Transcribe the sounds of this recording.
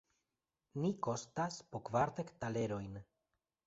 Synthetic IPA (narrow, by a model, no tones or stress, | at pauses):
niko̞staspokvaɾt̪ektale̞ɾo̞jn